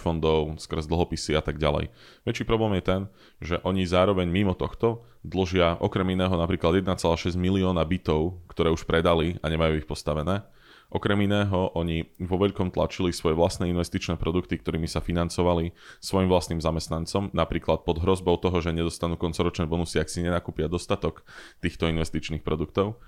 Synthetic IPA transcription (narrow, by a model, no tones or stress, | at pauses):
fɔnd̪ɔʊskr̩zd̪l̩ˠɦɔpisiat̪aɡɟa̰lɛ̰j | ʋɛt͡ʃiːpɾɔblɛːmjɛt̪ɛn | ʒɛʔɔɲizaːɾɔʋɛɲmimɔt̪ɔxt̪ɔ | d̪l̩ʒɪaʔɔkɾɛminɛːɦɔnapɾiːklad̪jɛd̪nat͡sɛlaːʃɛzɟmiliɔːnabit̪ɔʊkt̪ɔɾɛːuʃpɾɛd̪aliaɲɛmajuːixpɔst̪aʋɛnɛː | ʔɔkɾɛminɛːɦɔʔɔɲiʋɔʋɛʎkɔmt̪la̰t͡ʃilisʋɔjɛʋlast̪nɛːinʋɛst̪it͡ʃnɛːpɾɔd̪ukt̪ikt̪ɔɾiːmisafinant͡sɔʋalisʋɔjimvlast̪niːmzamɛst̪nant͡sɔmnapɾiːklat̪̚pɔd̪ɦɾɔzbɔʊt̪ɔɦɔʒɛɲɛd̪ɔst̪anuːkɔnt͡sɔɾɔt͡ʃnɛːbɔnusiaksiɲɛnakuːpɪad̪ɔst̪at̪ɔkt̪iːxt̪ɔinʋɛst̪it͡ʃniːxpɾɔd̪uk̚t̪ɔʊ